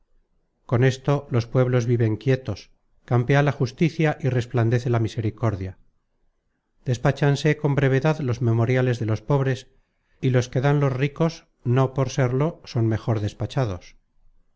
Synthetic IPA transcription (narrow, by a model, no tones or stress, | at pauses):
ko̞ne̞st̪o̞lo̞spwe̞βlo̞zβiβe̞ŋkje̞t̪o̞s | kampealaxust̪iθjaʔire̞spland̪e̞θe̞lamise̞ɾiko̞ɾðja | d̪̥e̞spat͡ʃanse̞ko̞mbɾe̞β̞e̞ðaðlo̞zme̞mo̞ɾjale̞zðelo̞spo̞βɾe̞s | ilo̞ske̞ðanlo̞zriko̞s | no̞po̞ɾse̞ɾlo̞so̞nme̞xo̞ɾðe̞spat͡ʃaðo̞s